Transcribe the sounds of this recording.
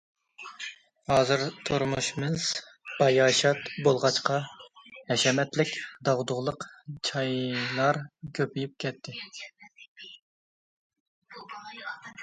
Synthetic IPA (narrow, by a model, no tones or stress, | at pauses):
hɑːzɨɾt̪ʰoɾmuʃmɨz̥ | b̥ɑjɑːʃɑt̪bolˠʁɑt͡ʃqɑhɛʃɛmɛt̪lɪkʲd̪ɑʁd̪ʊʁlˠəqt͡ʃʰɑjlˠɑɾkʲʰøpyjyp̚kʲʰɛt̪ʰːɪ